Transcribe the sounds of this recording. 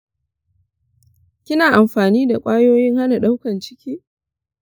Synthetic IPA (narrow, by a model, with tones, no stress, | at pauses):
kʲɪ˦naː˨ʔa˨mɸaː˨niː˦da˨kʷʼaː˦joː˦jɪ˦ŋha˦na˨ɗa˦wkɐ˨nt͡ʃɪ˦kʲiː˦